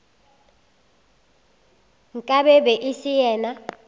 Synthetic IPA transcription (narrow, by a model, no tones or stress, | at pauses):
ŋkʼaɓɛbɛʔisijɛːna